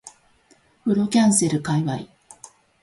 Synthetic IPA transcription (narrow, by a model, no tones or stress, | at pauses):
ɸɯ̟ɾo̞kʲãɰ̃se̞ɾɯ̟kaiβai